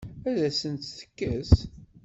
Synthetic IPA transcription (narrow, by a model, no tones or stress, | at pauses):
æðæsənt̪θə̥kːæs